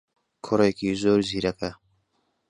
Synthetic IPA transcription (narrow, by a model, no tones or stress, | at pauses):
kʰʊɾajkizoːɾziɾɐka